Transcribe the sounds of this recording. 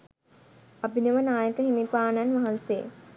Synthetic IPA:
ɐbinəʋənaːjəkəɦimipaːnanʋaɦanse

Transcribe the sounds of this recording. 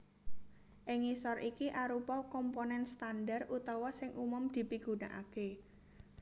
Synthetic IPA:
ʔɪŋisɔrʔikiʔaɾupɔkɔmponɛnst̪andarut̪ɔwɔsɪŋʔumʊmd̪̥i̤piɡ̥ṳnaʔa̰ke

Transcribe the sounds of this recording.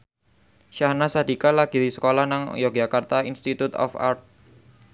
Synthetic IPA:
ʃahnasad̪i̤kalaɡ̥iɾisə̥kolahnaŋjɔɡ̥d͡ʒakart̪ainst̪it̪ut̪ɔ̰fa̰rt̪̚

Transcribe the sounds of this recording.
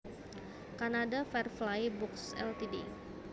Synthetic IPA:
kanadafɛrflajbɔksɛ̰lt̪idḭ

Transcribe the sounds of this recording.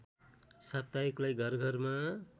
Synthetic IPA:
sab̚t̪aiklajɡʱʌrɡʱʌrma

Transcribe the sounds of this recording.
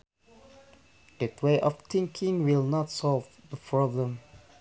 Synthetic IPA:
dɛtweʔɔft̪ɪ̃ŋkʰɪ̃ŋwɪlˠnɔtsɔlvðəpʰɹɔblə̃m

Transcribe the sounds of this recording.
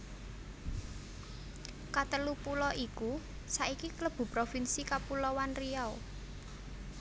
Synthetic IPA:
kat̪əlupulɔʔiku | saikikləb̥ṳpɾofinsikapulɔwanriaw

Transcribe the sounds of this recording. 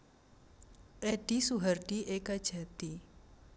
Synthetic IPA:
ʔɛɖ̥isuɦarɖ̥iʔekad̥ʒ̥a̤t̪i

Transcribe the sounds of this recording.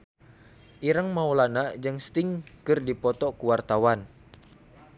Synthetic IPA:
ʔiɾəŋmaulanad͡ʒaŋst̪ɪŋkɨrdipɔt̪ɔkuwart̪awan

